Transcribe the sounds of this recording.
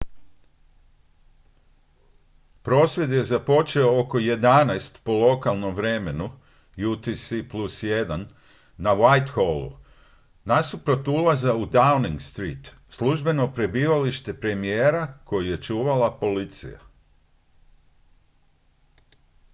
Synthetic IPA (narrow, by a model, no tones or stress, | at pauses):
pɾo̞ːsʋje̞d̪je̞zapo̞t͡ʃeo̞oko̞je̞d̪anajst̪po̞lˠo̞kalˠno̞mʋɾe̞me̞nu | jut̪isiplusje̞d̪anː | awajt̪xolˠṵ | nasupɾot̪ulˠazaud̪awniŋɡst̪ɾḭːt̪ | slˠuʒbe̞no̞pɾe̞biːʋaliʃt̪e̞pɾe̞mijeːɾako̞juje̞t͡ʃuːʋalapo̞lit̪sḭja̰